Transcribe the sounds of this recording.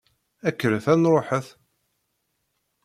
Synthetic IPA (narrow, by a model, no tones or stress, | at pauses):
ækːəɾəθænɾˤoħəθ